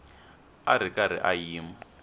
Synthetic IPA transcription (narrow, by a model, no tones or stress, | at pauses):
a̰ɾ̤ikaɾ̤ḭʔajiːma